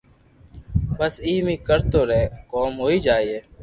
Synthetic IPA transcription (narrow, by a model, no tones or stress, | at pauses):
bəsiːmiːkəɾt̪oːɾɛːkoːmɦoːiːd͡ʒaːieː